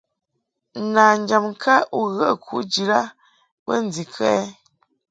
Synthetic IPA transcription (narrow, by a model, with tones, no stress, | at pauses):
naː˨n˦d͡ʒa˨m˨kʰa˦u˦ɣə˦˨kʰu˦d͡ʒi˨la˦ | bə˦n˦d͡zi˨kʰɛ˦